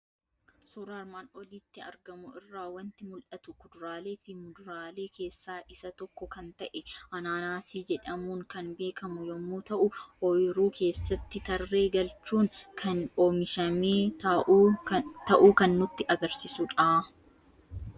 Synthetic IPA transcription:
suːɾaɾmaːnɔliːt̪ːɪɐ̰ɾɡɐmʊɪrːaːwɐnt̪ɪmʊlʔɐt̪ʊkʊd̪ʊɾaːle̞ːfɪmʊd̪ʊɾaːle̞ːke̞ːsːaːʔɪsɐt̪ɔkːɔkɐnt̪ɐʔɛʔɐnaːnaːsiːd͡ʒɛᶑɐmuːŋkɐnbe̞ːkɐmʊjɔmːuːt̪ɐʔʊhɔjɪɾuːkʰe̞ːsːɐt̪ːɪt̪ɐrːe̞ːɡɐlt͡ʃːuːŋkʰɐnoːmɪʃɐmeː | t̪ɐʔuːkɐnːʊt̪ːɪʔɐɡɐɾsɪsʊᶑaː

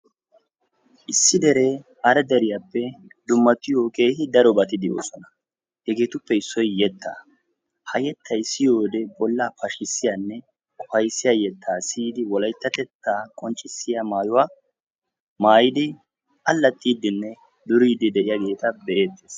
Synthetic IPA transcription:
ʔɪsːɪd̪ɛɾe̞ː | ɐɾɛd̪ɛɾɪjaːpːɛd̪ʊmːɐt̪ːɪjo̞ːkeːhɪd̪ɐɾɔbɐt̪ɪd̪ɪjo̰ːsɔnɐ | hɛɡe̞ːt̪ʊpːɛɪsːɔjjɛt̪ʰːa̰ː | hɐjɛt̪ʰːɐjsɪjo̞ːd̪ɛbɔlːaːpɐʃɪsːɪjaːnːɛ | kʼɔhɐjsːɪjaːjɛt̪ːaːsiːd̪ɪwɔlɐjt̪ːɐt̪ɛt̪ːaːkʼɔnt͡ʃʼːɪsːɪjamaːjʊwaː | maːjɪd̪ɪ | ʔɐlːɐt̪ʼːiːd̪ːɪnːɛ | d̪ʊɾiːd̪ːɪd̪ɛʔɪjaɡe̞ːt̪ɐbɛʔeːt̪ːeːs

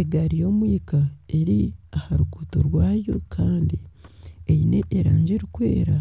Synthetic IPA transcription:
eɡaɾijo̞ːmwiːkae̞ɾiahaɾuɡuːto̰ɾwaːjo̞̰kʰaːndiejine̞ʔeɾa̰ːɲd͡ʒeɾikwḛːɾa

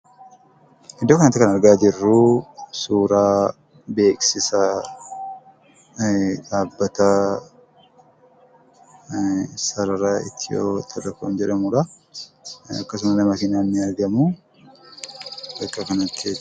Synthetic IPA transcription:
ʔɪd̪ːokɐnɐt̪ːɪkɐnɐɾɡaːd͡ʒɪrːuːsuːɾaː | be̞ːksɪsɐ | ᶑaːbːɐt̪ɐ | sɐɾɐɾaːɪ̰t̪ʰːɪjo̰ːt̪ʼɐdɐkoːnd͡ʒɛᶑɐmuːᶑɐ | ɐ̰kːɐs̬ʊmɐnɐmɐkɪnaːnːɪɐɾɡɐmuː | bɐkʼːɐkɐnɐt̪ːɪ

